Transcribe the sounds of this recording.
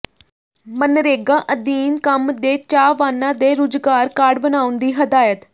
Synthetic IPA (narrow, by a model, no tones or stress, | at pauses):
mənɾeːɡãːʔəd̪iːnkəmd̪eːt͡ʃaːʋaːnãːd̪eːɾʊːd͡ʒɡaːɾkaːɖbənaːʊnd̪iːɦəd̪aːjət̪